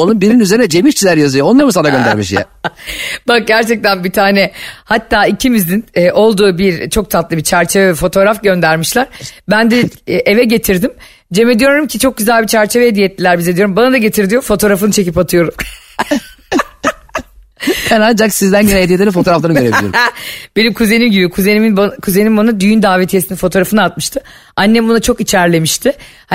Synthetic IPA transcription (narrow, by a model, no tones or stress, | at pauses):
onumbiɾiinyze̞ɾinɛd͡ʒe̞miʃt͡ʃʰilʲæɾjazɯjoonˠaɾmɯsanaɡɟønd̪æ̰ɾmiʃjɛ̰ | bak̚ɟæɾt͡ʃʰɛk̚t̪ʰænbit̪ʰaːnɛhat̪ːaːicʰimizninːʔo̞lˠd̪uːbiɾt͡ʃʰo̞k̚t̪ʰat̪lˠɯbit͡ʃʰæɾt͡ʃʰevɛvɛfo̞t̪ʰo̞ɾafɟø̞nd̪æɾmiʃlʲˠaɾ̥bænd̪ɛʔe̞vɛɟe̞t̪ʰiɾd̪im | d͡ʒe̞med̪ijo̞ɾumcʰit͡ʃʰo̞k̚ɟyzælʲbit͡ʃʰæɾt͡ʃʰevɛed̪ijɛt̪ʰːilʲæɾbizɛd̪ijo̞ɾumbanad̪aɟe̞t̪ʰiɾd̪ijo̞fo̞t̪ʰo̞ːɾafɯnt͡ʃʰe̞cipat̪ʰɯjo̞ɾum | bænand͡ʒaksizd̪ænɟønɛed̪ijet̪eɾɛfot̪ʰoːɾaflˠanɯɟøɾeij̰ɾ̰b̥e̞nimkʰuzenimɟibikʰuzeniminbkʰuze̞nimbanad̪yjynd̪aːvet̪ʰijesininfo̞t̪ʰo̞ːɾafɯnɯat̪̚mɯʃt̪ʰɯ | anʲːɛmbunat͡ʃʰo̞kit͡ʃʰæɾlʲe̞miʃt̪ʰɪ | h